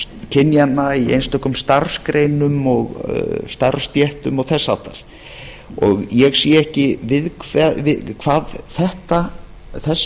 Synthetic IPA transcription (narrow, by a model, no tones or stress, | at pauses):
cʰɪnjanːaiḛjnst̪ɔhkʏmst̪aɾskɾejnʏmɔɣst̪aɾst̪jɛht̪ʏmɔɣθɛsːa̰wt̪aɾ̥ | ɔ̰ɣjɛɣsjɛɛhcɪvɪðkʰvɛvɪkʰv̥aːðθɛht̪a | θɛs